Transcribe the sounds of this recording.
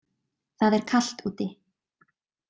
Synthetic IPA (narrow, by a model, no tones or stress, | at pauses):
θaðɛɾ̥kʰal̥t̪uːt̪ɪ